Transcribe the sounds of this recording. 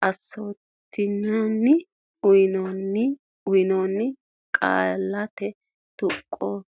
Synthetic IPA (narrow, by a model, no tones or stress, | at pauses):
ʔɐsːo̞ːt̪ːɪɲːanːɪ | ʊjɪnɔnːɪ | ʊjɪnoːnːɪ | kʼa̰ːlːɐt̪ɛ | t̪ʊkʼːoː